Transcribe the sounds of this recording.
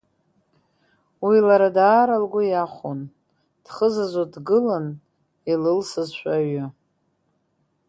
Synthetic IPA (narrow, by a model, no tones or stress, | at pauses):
wilaɾadaːɾalɡʷʊjaχʷon | d̥χəzazodɡɨlan | ilɨlsɨzʃʷᶣaɥa